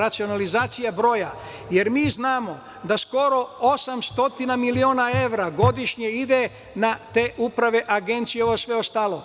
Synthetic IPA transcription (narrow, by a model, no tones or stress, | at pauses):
at̪sio̞nalizaːt̪sijabɾo̞ːja | jeɾmiːznaːmo̞ | d̪asko̞ɾo̞o̞samst̪o̞t̪inamilioːnae̞ʋɾaɡo̞d̪iʃɲeid̪e̞ | nat̪e̞ʔupɾaʋe̞ʔaɡe̞nt̪sijeoʋosʋe̞ost̪aːlo̞